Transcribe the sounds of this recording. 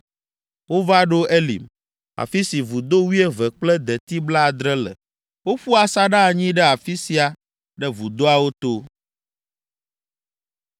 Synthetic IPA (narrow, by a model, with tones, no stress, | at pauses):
wo˦va˦ɖo˦e˦lḭ˨m | a̰˨fi˦si˨vu˨d̪o˦wi˦e˦vɛ˨k͡plɛ˦d̪ɛ˨t̪i˦bla˦˨d̪ɾɛ˦lɛ̰˨ | wo˦ɸu˦a˨sa˦ɖa˦˨ɲĩ˦ɖɛ˦a˨fi˦si˨a˨ | ɖɛ˦vu˨d̪o˦a˨wo˦t̪o˦